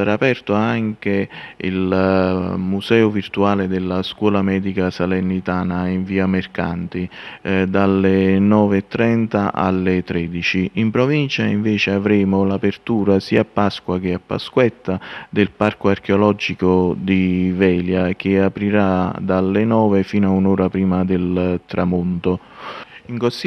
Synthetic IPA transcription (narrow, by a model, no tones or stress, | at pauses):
saɾaːpɛrt̪oaŋk̟eḭl | musɛːʊvirt̪uaːled̪ɪlːaskwɔːlamɛːd̪ikasalɛnːit̪aːnaiɱviːamerkant̪id̪alːenɔːveɛt̪ːɾɛnt̪aʔa̰lːet̪ːɾɛːd̪it͡ʃiimpɾovint͡ʃaiɱvɛːt͡ʃɪavɾɛːmʊlapert̪uːɾasiːapːaskwak̟eapːa̰skwɛt̪ːad̪ɪlparkoark̟eɔlɔd͡ʒikod̪ivɛːljak̟ɪapɾiɾad̪alːɪnɔːvefiːnoaunɔːɾapɾiːmad̪ɪlt̪ɾamunt̪o | iŋkosi